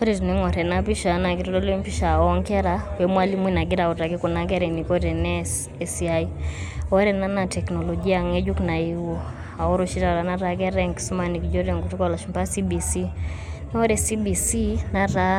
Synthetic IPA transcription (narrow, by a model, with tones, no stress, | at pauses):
ɔ˦ɾɛ˨tu˨nɛ˦ŋɔ˨ɾɛ˨na˦pi˦ʃa˨na˨ki˨ɾɔ˦lɔ˦lɔ˦m˦pi˦ʃa˨ɔ˦ŋkɛ˦ɾa˨wɛ˨mwa˦li˦mwi˦na˨ɡi˦ɾa˨ɔ˨ta˨ɡɛ˦ku˨na˨kɛ˦ɾɛ˨ni˨kɔ˦ɾɛ˨nɛ | ɛsiaiɔ˦ɾɛ˨na˦na˨tɛ˨knɔ˨lɔɡi˦a˨ŋɛ˦d͡ʒu˦kna˨i˨wu˨ | a˨ɔ˦ɾɔ˦ʃi˦ɾa˨ɾa˨na˦ɾa˨kɛ˦ɾɛ˦ŋksu˦ma˨ni˨kd͡ʒɔ˦ɾɛ˨ŋɡu˨tu˦ka˦˨la˨ʃu˨mpa˦si˦bi˨si˦ | nɛ˦ɔ˦ɾɛ˨si˦bi˨si˦na˦ɾa˦